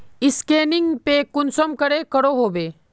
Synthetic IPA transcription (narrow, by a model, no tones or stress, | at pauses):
ɪskeːnɪ̃ŋɡpekʊnsəmkəɾekəɾoɦoːʋeː